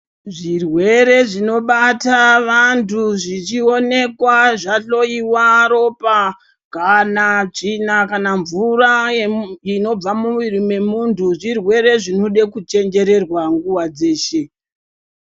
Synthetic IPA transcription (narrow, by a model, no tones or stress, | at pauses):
ʐirwe̞ɾe̞ʐino̞ɓataʋantʰuʐit͡ʃio̞ne̞kwaʐaɬo̞iwaɾo̞pa | kanaʐinakanaɱvura | ino̞b͡vamuʋirime̞muntʰuʐirwe̞ɾe̞ʐino̞ɗekut͡ʃe̞nd͡ʒe̞ɾe̞rwaŋɡuwad͡ze̞ːʃe̞